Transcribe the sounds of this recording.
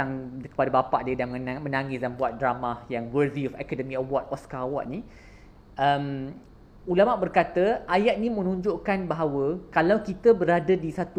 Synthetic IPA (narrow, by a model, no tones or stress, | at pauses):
aŋkə̥padabapa̰ʔdiədanmmə̃naŋisdanbuat̪̚dɾamahjaŋwərdiɔfɛ̰kadəmĩəwɔt̪̚ɔskawɔt̪̚ni | ʔəm | ulamaʔbərkat̪əʔajat̪̚nĩmə̃nũɲd͡ʒoʔkanbaɦawəkalawkit̪əbəɾadadisat̪u